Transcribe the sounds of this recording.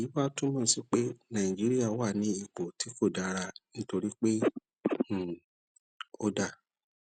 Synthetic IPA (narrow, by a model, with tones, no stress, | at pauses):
ji˨˦ba˦tũ˦mɔ̃˦˨si˦k͡pe˦nã˨ĩ˨d͡ʒi˨˦ɾi˦a˦˨wa˦˨nĩ˨˦i˨k͡po˨ti˨˦fo˦˨da˨˧ɾa˧nĩ˦to˧ɾi˦k͡pẽ˦˨ | o˧da˦˨